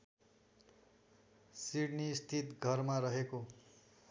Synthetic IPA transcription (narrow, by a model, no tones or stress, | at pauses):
siɽnist̪ʰit̪ɡʱʌrmaɾʌɦeko